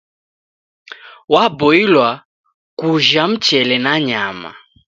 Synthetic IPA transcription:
wabɔilwa | kuʒam̩t͡ʃɛlɛnaɲama̰

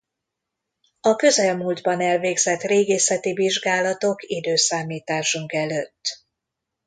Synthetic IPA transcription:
ɒkø̞zɛlmuːld̪bɒnɛlveːɡz̥ɛt̪reːɡeːsɛt̪iviʒɡaːlɒt̪o̞kid̪øːsaːmiːt̪aːʃuŋkɛløːt̪ː

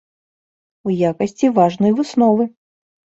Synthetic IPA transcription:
ujakɐsʲt͡sʲivaʐnɔjvɨsnɔvɨ

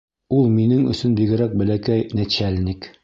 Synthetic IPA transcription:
ulˠminɘŋɵ̰̆sɵnbiɡɘ̆ɾæk̚bɘ̆lækæjnæɕælʲnik

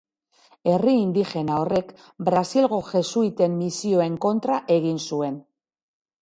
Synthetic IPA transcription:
e̞riːnd̪ixe̞nao̞re̞k | bɾasilɣo̞ʝe̞suit̪e̞mːisio̞e̞ŋko̞nt̪ɾaʔe̞ɣ̞insue̞n

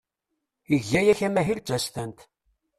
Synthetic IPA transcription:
iʝːæjæçæmæɦilt͡ʃːæst̪ænt̪

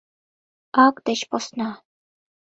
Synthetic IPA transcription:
ɑkd̪ĕɕposnɑ

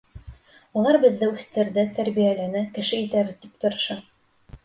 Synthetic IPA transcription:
ulˠɑɾbɘ̆ðːɘʉθt̪ɘ̆ɾðɘt̪æɾbijælænɘkɘ̆ʃɘit̪æβɘ̆ðt̪ipt̪ŏɾɤ̆ʃɑ

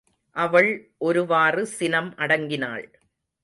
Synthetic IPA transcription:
ʔɐʋɐɭʔɔɾɯʋaːrɯsɪnɐmʔɐɽɐŋɡɪna̰ːɭ

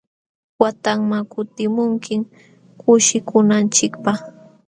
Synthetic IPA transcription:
wat̪aŋmakʊt̪ɪmʊŋkɪŋ | kʰʊʃɪkʊnant͡ʃɪkpɑχ

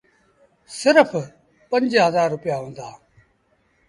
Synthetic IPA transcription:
sɪɾfʰ | pə̃ɲd͡ʒɦəzaːɾːʊpɪjaːɦõːnd̪aː

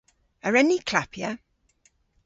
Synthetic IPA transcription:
əɹɛnikʰl̥apʰjə

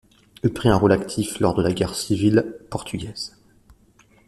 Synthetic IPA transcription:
ylpχiɛ̃ʁolakt̪ʰiflɔʁd̪əlaɡʲɛʁsivilpɔʁt̪ʰyɡʲɛz̥

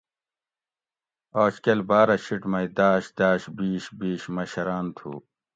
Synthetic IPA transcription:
oːt͡ɕkɐlbaːɾɐɕʰiʈmɐjd̪aːɕd̪aːɕbiːɕbiːɕmɐɕɐɾaːnt̪ʰṵː

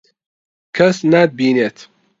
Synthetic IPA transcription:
kʰɐsnad̪̚biːneːt̪

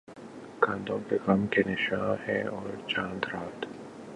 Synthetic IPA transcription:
kãːnd̪õpeɣamkenɪʃãːhɛ̃ɔːɾt͡ʃãːnd̪ɾaːt̪

